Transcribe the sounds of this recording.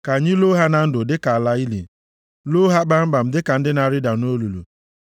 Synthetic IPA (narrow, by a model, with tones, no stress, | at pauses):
ka˨ɲɪ˦lo˦ɦa˦na˨n̩˦dʊ˨dɪ˦ka˨la˦i˦lḭ˨ | lo˦ɦa˦k͡pa˦m̩˦ɡ͡ba˨m̩˨dɪ˦ka˨n̩˦dɪ˦na˨ɾɪ˦da˨no˦lu˨lṵ˨